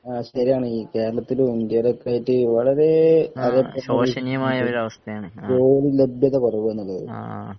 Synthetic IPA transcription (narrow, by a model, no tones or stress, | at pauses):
aːɕɐɾijaːɳɨiːke̞ːɾɐɭɐt̪ːilundjɐɐlokːaːjiʈːɨʋɐɭɐɾe̞ɐðepːɐoːɐnijɐmaːjɐoɾɐʋɐst̪ʰɐjaːɳɨoːɾilebjɐðɐkorɐʋue̞nːulːɐðɨ̰